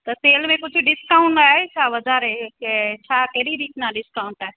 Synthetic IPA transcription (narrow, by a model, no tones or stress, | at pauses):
t̪ɐseːlmẽkʊd͡ʑʱɖɪskaːʊ̃ɳʈaːɦet͡ɕʰaːʋɐd͡ʒʱaːɾeket͡ɕʰaːkɐɦɾiɾiːtnãɗɪskaːʊ̃ɳʈaːɦe